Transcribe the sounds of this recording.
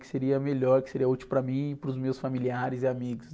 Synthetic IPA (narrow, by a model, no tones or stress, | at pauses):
kɪ̥seɾiɐmeʎɔɾkɪ̥seɾiɐut͡ʃiwwpɾɐmĩɪpɾʊzmewsfamiliaɾɪzɪamiɡʊs